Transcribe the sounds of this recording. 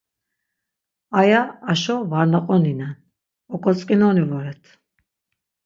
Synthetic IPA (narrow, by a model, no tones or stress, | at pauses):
ajaːʃɔvaɾnaqʼɔninan | ɔkʼɔt͡sʼkʼinɔnivɔɾɛt̪ʰ